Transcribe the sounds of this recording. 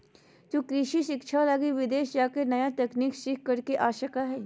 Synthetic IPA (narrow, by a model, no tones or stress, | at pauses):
d͡ʒoːkɾɪʃiʃɪkʃʰalaːɡiʋɪd̪eːʃd͡ʒaːkenɐjat̪ɛkniːkʃɪkkɐɾkeʔaːʃəkaɦɛː